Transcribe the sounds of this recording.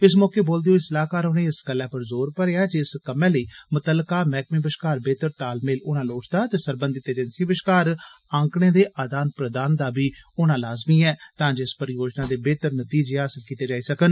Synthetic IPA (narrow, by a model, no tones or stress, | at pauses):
ɪs̬mɔːkeːboːld̪ejoːɪsəlaːkaːɾʊnẽːɪsɡəlːɛːpəɾzoːɾpəɾeːaːd͡ʒɪskəmɛ̃ːləiːmʊt̪əlːkaːmɛːkmĩːbɪʃkaːɾbeːt̪əɾʈaːlmeːlʊnãːloːʈʰd̪aːt̪eːsəɾbənd̪ɪt̪eːd͡ʒənsĩːbɪʃkaːɾ | ãːŋkɽ̃ẽːd̪eːʔaːd̪aːnpɾəd̪aːnd̪aːbiːʊnãːlaːzmiːɛːt̪ãːd͡ʒeɪspəɾɪjoːd͡ʒnãːd̪eːbeːt̪əɾnət̪iːd͡ʒeːaːsəlkiːt̪eːd͡ʒaːiːsəkən